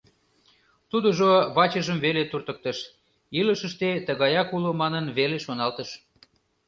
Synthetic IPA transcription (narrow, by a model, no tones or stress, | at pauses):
t̪ud̪əʒoβɑt͡ɕəʒəmβelet̪urt̪ək̚t̪əʃ | iləʃəʃt̪et̪əɣɑjɑkulomɑnənβeleʃonɑlt̪əʃ